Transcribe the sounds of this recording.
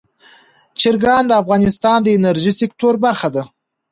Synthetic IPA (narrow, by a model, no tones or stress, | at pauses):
t͡ʃɪɾɡɑnd̪əafɣɑnɪst̪ɑnd̪əenaɾʒisek̚t̪oɾbaɾxad̪a